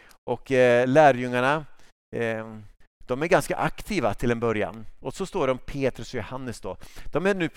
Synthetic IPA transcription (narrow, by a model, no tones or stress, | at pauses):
ʔɔklæːɾjɵŋːaɳa | d̪̥ɔmæɾɡanska̰ʔakt̪ʰiːvat̪ʰɪlɛnbœɾja̰nɔsɔst̪oːɖɔmpʰeːt̪ɾɵsɔjʊhanːəsd̪ɔ̰ːd̪̥ɔmæɾnʉ̟ː